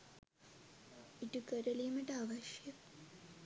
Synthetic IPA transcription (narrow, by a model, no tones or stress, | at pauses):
iʈukɐɾɐlijumɐʈaːʋɐʃjɐ